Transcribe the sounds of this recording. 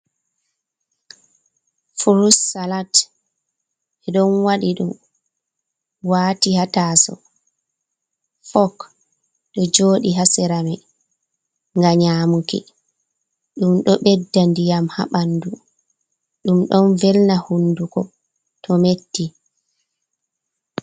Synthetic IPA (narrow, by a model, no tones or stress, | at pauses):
fuɾusːalat | ʔɛɗɔnwaɗiɗṵm | waːtihataːsɔ̰ | fɔk | ɗɔd͡ʒoːɗiɦasɛɾamɛ | ŋɡaɲaːmukḭ | ɗumɗɔɓɛdːandijamha̰ɓandu | ɗumɗɔnvɛlnahunːdukɔ | tʰɔmetːi